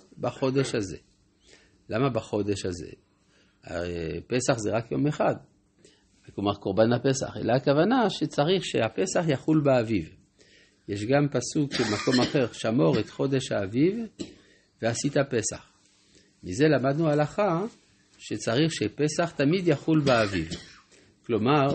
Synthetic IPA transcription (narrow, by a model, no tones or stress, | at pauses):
baχo̞d̪eʃhazḛ | lamabaχo̞d̪eʃhaze̞̰ | a̰pesaχzeʁakjo̞meχad̪ | komaʁkoʁbanapesa̰χḛlaːkavanaʃet͡saʁiχʃeapesaχjaχulbeaviv | jeʃɡampasukemako̞maχe̞ʁʃamo̞ʁet̪χo̞d̪e̞ʃhaːviv | veasit̪apesa̰χ | mizelamad̪nualaχa | ʃet͡saʁiχʃepesaχt̪amid̪jaχulbeaviv | klo̞maʁ